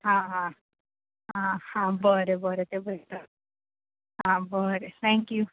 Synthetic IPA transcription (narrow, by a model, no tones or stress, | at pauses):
hã | ɦãhãbəɾebəɾet̪ebət̪a | ɦãbəɾet̪ʰɛ̃ŋkju